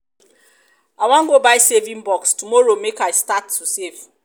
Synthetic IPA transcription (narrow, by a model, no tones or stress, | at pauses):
aɪwãnɡobajsevĩŋbɔkstumɔɹomekajstatʰːusev̥